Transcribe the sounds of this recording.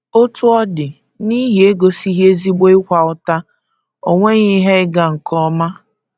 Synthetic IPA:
o˦tʊ˦ɔ˦dɪ˨ | ni˦ɦi˨e˦ɡo˨si˦ɦe˦zi˦ɡ͡bo˦ɪ˦kʷa˨ʊ˦ta˦ | o˦˨ŋʷe˦ɲi˦ɦe˦ɪ˦ɡa˨ŋ̩˨kʰɔ˦ma˦

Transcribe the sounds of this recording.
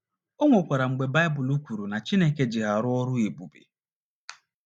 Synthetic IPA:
o˦ŋʷo˨kʷa˨ɾa˨ŋ͡m̩˨ɡ͡be˨ba˦ɪ˦bʊ˨lu˦kʷu˨ɾu˨na˨t͡ʃi˦ne˦ke˦d͡ʒɪ˨ɦa˨ɾʊ˦ɔ˦ɾʊ˦e˨bu˨bḛ˨

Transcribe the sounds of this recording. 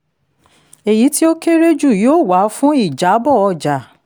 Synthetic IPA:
e˨ji˨˦ti˦o˦ke˦ɾe˦d͡ʒu˦˨joː˦˨wa˨˦fũ˦i˦˨d͡ʒa˨˦bɔ˦˨ɔ˧˨d͡ʒa˨

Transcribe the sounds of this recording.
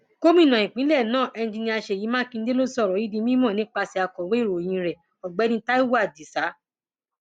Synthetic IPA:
ko˦mĩ˦˨nã˨ĩ˨k͡pĩ˨˦lɛ˦˨nãː˦˨ʔɛ˧ñ˦d͡ʒĩ˧nĩ˧˦a˧ʃe˧˨ji˨˦mã˦kĩ˧n̩˦de˦lo˦sɔ˦˨ɾɔ˨˦i˦di˧˦mĩ˦mɔ̃˦˨nĩ˨˦k͡pa˧si˧a˧kɔ˨we˨˦i˦˨ɾo˨jĩ˨˧ɾɛ˨ | ɔ˨ɡ͡bɛ˨˦nĩ˦ta˦i˦wa˦˨di˨sa˨˦

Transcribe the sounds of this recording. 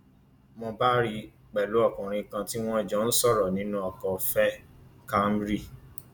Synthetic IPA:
mɔ̃˧ba˦ɾi˧ | k͡pɛ˨lo˨˦ɔ˦˨kũ˨ɾ̃ĩ˧kã˧ti˦w̃ɔ̃˦i˨d͡ʒɔ̃˨˦n̩˦sɔ˦˨ɾɔ˨nĩ˨˦nũ˦ɔ˨kɔ˨fɛ˦ka˦m˦bɾi˦˨

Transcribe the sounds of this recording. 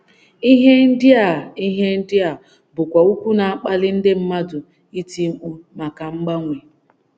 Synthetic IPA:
i˦ɦe˦n̩˦dɪ˦a˨i˦ɦe˦n̩˦dɪ˦a˨ | bʊ˨kʷa˨u˦kʷu˦na˨a˦k͡pa˦lɪ˦n̩˦dɪ˦m̩˦ma˦dʊ˨ | i˦ti˦ŋ͡m̩˦k͡pu˦ma˨ka˨ŋ͡m̩˦ɡ͡ba˦ŋʷe˨

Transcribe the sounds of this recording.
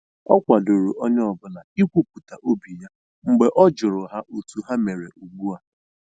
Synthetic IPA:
ɔ˦kʷa˨do˨ɾo˨ʔɔ˦ɲ˦ɔ˨bʊ˦na˨i˦kʷu˦pu˨ta˨ʔo˦bi˨ja˦ | ŋ͡m̩˨ɡ͡be˨ʔɔ˦d͡ʒʊ˨ɾʊ˨ɦa˦ʔo˨tu˦ɦa˦me˨ɾḛ˨ʔu˨ɡ͡bu˦a˦

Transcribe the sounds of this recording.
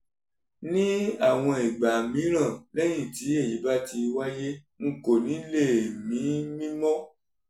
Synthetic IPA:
nĩ˦a˦˨w̃ɔ̃˧i˨ɡ͡ba˨mĩ˨˦ɾ̃ã˦˨lɛ˦j̃ĩ˦˨ti˨˦e˦˨ji˨˦ba˦ti˧wa˦je˦ | ŋ̩˦˨ko˨nĩ˨˦le˦˨mĩ˨˦mĩ˦mɔ̃˦

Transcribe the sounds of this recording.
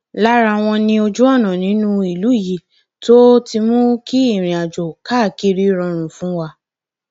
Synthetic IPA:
la˦ɾa˧˨w̃ɔ̃˧nĩ˧o˧d͡ʒu˦ɔ˦˨nã˨nĩ˨˦nũ˦i˨lu˨˦i˦˨ji˨ | to˦ti˧mũ˦ki˦i˦˨ɾ̃ĩ˨a˨d͡ʒo˨ka˦˨ki˧˦ɾi˦ɾɔ̃˧ɾ̃ũ˨fũ˨˦wa˧

